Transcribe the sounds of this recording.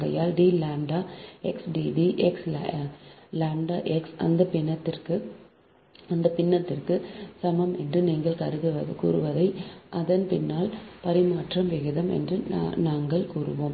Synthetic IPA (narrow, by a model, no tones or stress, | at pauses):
ɣɐjaːlɖiːlaːɳɖaːɛksɖiːɖiʔɛks | laːɳɖaːʔɛksɐnd̪ɐpɪnːɐt̪ːɪrkɯ | ɐnd̪ɐpɪnːɐt̪ːɪrkɯsɐmɐmɛndrɯniːŋɡɐɭkɐɾɯðɯʋɐkṵːɾɯʋɐðɐɪʔɐðɐnpɪnːaːlpɐɾɪmaːʈrɐmʋɪɣɯðɐmɛ̰ndrɯnaːŋɡɐɭkuːrɯ̰ʋoːm